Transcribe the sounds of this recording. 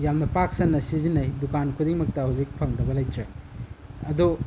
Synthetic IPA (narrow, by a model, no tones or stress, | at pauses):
jamnɐpak̚sɐnːɐsizinɐjdukankʰudiŋmɐk̚tɐhawzik̚pʰɐŋdɐbɐlɐjtɾe | ɐdu